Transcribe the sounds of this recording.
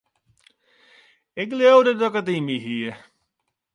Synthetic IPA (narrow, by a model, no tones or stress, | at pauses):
ɪklowdədɔkətimiɦiə